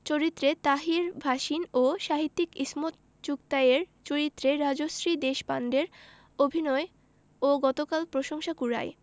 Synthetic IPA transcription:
t͡ɕoɾit̪ːɾet̪aɦiɾbʱaʃinoʃaɦit̪ːikismot̪ | t͡ɕukt̪aeɾt͡ɕoɾit̪ːɾeɾad͡ʑosɾid̪eʃbanɖeɾ | obʱinɔe | oɡɔt̪okalpɾoʃoŋʃakuɾa̰j

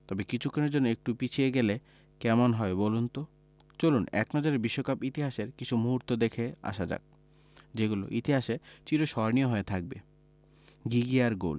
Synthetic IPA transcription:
t̪ɔbekit͡ɕʰukʰːoneɾd͡ʑonːoek̚ʈupit͡ɕʰieɡele | kɛmonɦɔebolunt̪o | t͡ɕolunɛ̰knɔd͡ʑaɾeɾbiʃːokapit̪iɦaʃeɾkit͡ɕʰumuɦuɾt̪od̪ekʰea̰ʃad͡ʑa̰k̚ | d͡ʑeɡulo̰ʔit̪iɦaʃet͡ɕiɾoʃɔɾnioɦoet̪ʰak̚bḛ | ɡiɡiaɾɡo̰l

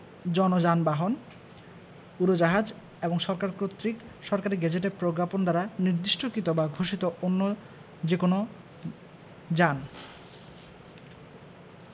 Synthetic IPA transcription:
d͡ʑɔnod͡ʑanbaɦon | uɾod͡ʑaɦad͡ʑ | eboŋʃɔɾkaɾkɾot̪ːɾik | ʃɔɾkaɾiɡɛd͡ʑeʈ̬eɾpɾoɡɾapond̪aɾaniɾd̪iʃʈʰokit̪obaɡʱoʃit̪oʔonːo | d͡ʑekono | d͡ʑan

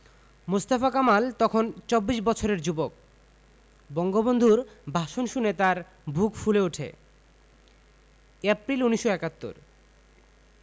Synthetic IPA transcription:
must̪afakamalt̪ɔkʰont͡ɕobːiʃbɔt͡ɕʰoɾeɾd͡ʑubok̚ | bɔŋɡobond̪ʱuɾbʱaʃonʃunet̪aɾ | bʱukfuleuʈʰḛ | ɛpɾiluniʃːoɛkat̪ːo̰ɾ

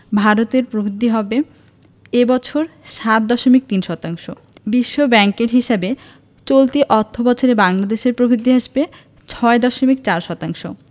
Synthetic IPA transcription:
bʱaɾot̪eɾpɾobʱid̪ʱːiɦɔbe | ebɔt͡ɕʰoɾʃat̪̚d̪ɔʃomik̚t̪inʃɔt̪aŋʃo | biʃːobɛŋkeɾɦiʃabe | t͡ɕolt̪iʔɔɾt̪ʰːobɔt͡ɕʰoɾebaŋlad̪eʃeɾpɾobʱid̪ʱːiɦaʃbe | t͡ɕʰɔed̪ɔʃomik̚t͡ɕaɾʃɔt̪aŋʃo

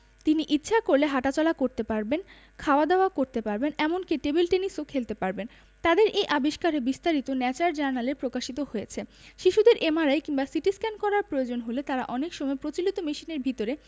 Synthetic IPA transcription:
t̪iniʔitːɕʰakoɾleɦaʈat͡ɕɔlakoɾt̪epaɾben | kʰaoad̪aoakoɾt̪epaɾbenɛmonkiʈebilʈenisokʰelt̪epaɾben | t̪ad̪eɾʔejʔabiʃkaɾebist̪aɾit̪onɛt͡ɕaɾd͡ʑaɾnaleɾpɾokaʃit̪ohojet͡ɕʰeʃiʃud̪eɾʔemaɾajkiŋbasiʈiskɛnkɔɾaɾpɾojod͡ʑonɦolet̪aɾa̰ʔɔnekʃɔmɔepɾot͡ɕilit̪omiʃineɾbʱit̪oɾe

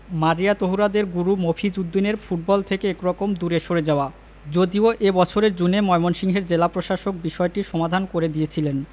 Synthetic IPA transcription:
maɾijat̪oɦuɾad̪eɾɡuɾumopʰid͡ʑud̪ːineɾfuʈ̚bɔlt̪ʰekeekɾɔkomd̪uɾeʃoɾed͡ʑaoa | d͡ʑod̪ioʔebɔt͡ɕʰoɾeɾd͡ʑunemɔemonʃiŋɦeɾd͡ʑelapɾoʃaʃok̚biʃɔeʈiʃɔmad̪ʱankoɾed̪ijet͡ɕʰilen

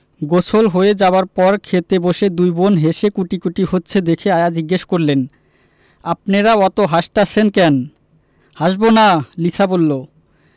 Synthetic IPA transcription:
ɡot͡ɕʰolɦoed͡ʑaoaɾpɔɾkʰet̪eboʃed̪ujbonɦeʃekuʈikuʈihotːɕʰed̪ekʰeajad͡ʑiɡːeʃkoɾlen | apneɾaɔt̪oɦaʃt̪at͡ɕʰenkɛn | haʃbonalit͡ɕʰabolːo

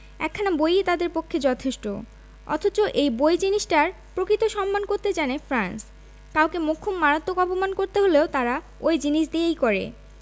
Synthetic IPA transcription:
ɛ̰kʰːanabojet̪ad̪eɾpokʰːed͡ʑɔt̪ʰeʃʈo̰ | ɔ̰t̪ʰot͡ɕoʔejbojd͡ʑiniʃʈaɾ | pɾokɾit̪oʃɔmːankoɾt̪ed͡ʑanefɾans | kawkemokʰːumːaɾat̪ːokɔpomankoɾt̪eɦoleot̪aɾa | ojd͡ʑiniʃd̪iejkoɾḛ

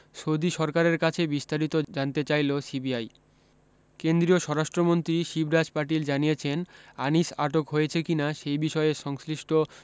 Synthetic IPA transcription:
ʃod̪iʃɔɾkaɾeɾkat͡ɕʰebist̪aɾit̪od͡ʑant̪et͡ɕajlosibiaj | kend̪ɾioʃɔɾaʃʈɾomont̪ɾiʃibɾad͡ʑpaʈ̬ild͡ʑanijet͡ɕʰenaniʃaʈokɦoet͡ɕʰekinaʃejbiʃɔeeʃɔŋsliʃʈʰo

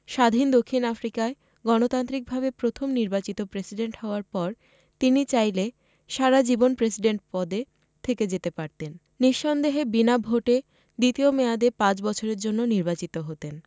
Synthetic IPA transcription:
ʃad̪ʱind̪okʰːinafɾikae | ɡɔnot̪ant̪ɾik̚bʱabepɾot̪ʰomniɾbat͡ɕit̪opɾesiɖeɳʈɦɔoaɾpɔɾ | t̪init͡ɕajle | ʃaɾad͡ʑibonpɾesiɖeɳʈ̚pɔd̪e | t̪ʰeked͡ʑet̪epaɾt̪en | niʃːɔnd̪eɦebinabʱoʈe | d̪it̪iomead̪epãt͡ɕbɔt͡ɕʰoɾeɾd͡ʑonːoniɾbat͡ɕit̪oɦot̪en

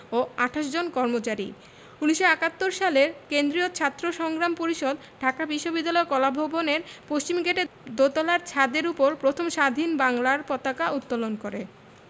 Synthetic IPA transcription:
oaʈʰaʃ̬d͡ʑonkɔɾmot͡ɕaɾḭ | uniʃoɛkat̪ːoɾʃaleɾkend̪ɾiot͡ɕʰat̪ːɾoʃɔŋɡɾampoɾiʃod̪ | ɖʱakabiʃːobid̪ːalɔekɔlabʱoboneɾpoʃt͡ɕimɡʱeʈed̪ot̪ɔlaɾt͡ɕʰad̪eɾupoɾpɾot̪ʰomʃad̪ʱinbaŋlaɾpɔt̪akaut̪ːolonkoɾe

